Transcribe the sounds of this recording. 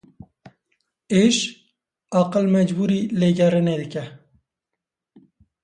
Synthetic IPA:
eʃ | ɑqəlmɛd͡ʒbuɾiːleːɡɛɾɨned̪ɨkɛ

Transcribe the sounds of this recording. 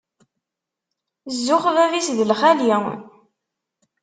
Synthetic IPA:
zːʊχvævisðəlχæljæ

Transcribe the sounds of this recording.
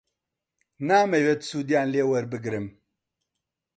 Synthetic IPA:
naːmewet̪suːd̪ijaːnleːwɐɾbɨɡɾɨm

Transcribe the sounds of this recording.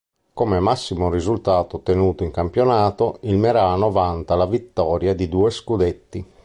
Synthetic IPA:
komɛmasːimorizult̪aːt̪ot̪enuːt̪oiŋkampjonaːt̪oilmɛɾaːnovant̪alavit̪ːɔːɾjad̪id̪uːeskud̪et̪ːi

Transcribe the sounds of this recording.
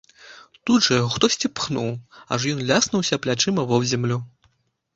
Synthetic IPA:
t̪udʐɐxt̪ɔsʲt͡sʲipxnuwɐ̰ʂjɔnlʲasnɐwsʲɐplʲat͡ʂɨmɐvɔwzʲɛmlʲu

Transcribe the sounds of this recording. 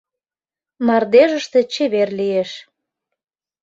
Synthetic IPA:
mɑrd̪eʒəʃt̪ĕt͡ɕeβerlijeʃ

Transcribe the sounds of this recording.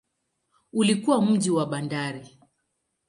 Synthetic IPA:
ulikuwam̩ʄiwaɓandaɾi

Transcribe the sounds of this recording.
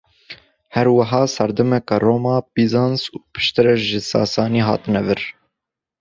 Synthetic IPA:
hɛɾwɐɦɑːsɛɾd̪ɛmɛkɑroːmɑːbizɑnsuːpʰɨ̥ʃt̪ɨɾɛʒɪsɑ̰ːsɑːniːɦɑ̰ːt̪ɨnɛvɨɾ

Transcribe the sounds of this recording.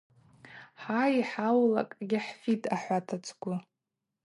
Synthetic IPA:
ħaiħawla̰kʼɡʲɪħfitʰʼaħʷatʰat͡sʰɡʷʊ

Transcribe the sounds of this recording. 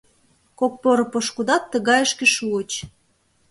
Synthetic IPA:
kok̚poɾɤ̆poʃkud̪ɑt̪ːə̆ɣɑjəʃkĕʃuət͡ɕ

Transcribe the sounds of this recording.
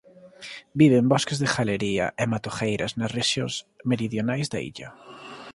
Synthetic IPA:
biβembɔskezðexaleɾiɐ̰ʔemat̪oxejɾɐznɐsreʃjosmeɾiðjonajzða̰ḭʎɐ̰

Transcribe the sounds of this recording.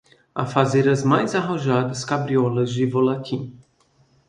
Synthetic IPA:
a̰fazeɾɐzmajzaɦɐ̃ʒad̪ɐskabɾiɔlɐzd͡ʒɪvolakʰĩ

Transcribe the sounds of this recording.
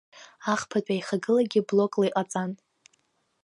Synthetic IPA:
aχpʰat͡pʼajχaɡɨlaɡʲiblo̞kʼlajqʼat͡sʼan

